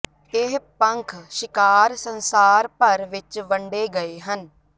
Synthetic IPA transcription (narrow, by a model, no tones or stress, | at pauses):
ɪɦpəŋkʰʃɪkaːɾsənsaːɾpəɾʋɪt͡ʃʋəɳɖeːɡəeːɦən